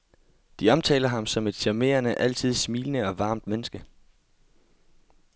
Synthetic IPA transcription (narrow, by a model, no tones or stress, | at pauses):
d̥iɒ̽mt͡sʰɛ̰ːlɐɦɑ̈msɒ̽me̝d̥ɕæme̝̰ːɐnəʔæl̰t͡sʰið̞̰ˠsmiːlənəɒ̽ʋɑ̈ːmd̥menəsɡ̥ə